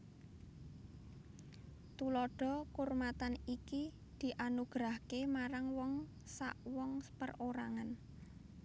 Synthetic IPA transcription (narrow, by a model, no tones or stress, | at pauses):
t̪ulɔɖ̥ɔ̤kurmat̪aniki | d̪̥i̤ʔanuɡ̥ɾahkemaɾaŋwɔŋ | saʔwɔŋpə̰roɾa̰ŋan